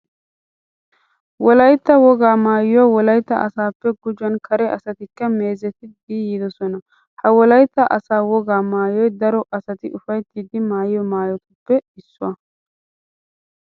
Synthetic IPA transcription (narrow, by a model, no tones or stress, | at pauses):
wɔlɐjt̪ːɐwɔɡaːmaːjjɔwɔlɐjt̪ːɐ̰ʔɐsaːpːɛɡʊd͡ʒɐnkʰɐɾɛʔɐsɐt̪ɪkːɐme̞ːzɛt̪ɪd̪iːjɪd̪ɔsɔnɐ | hɐwɔlɐjt̪ːɐʔɐsaːwɔɡaːmaːjɔjd̪ɐɾɔʔɐsɐt̪ɪʔʊfɐjt̪ːiːd̪ɪmaːjɪjɔmaːjɔt̪ɐpːɛɪsːʊɐ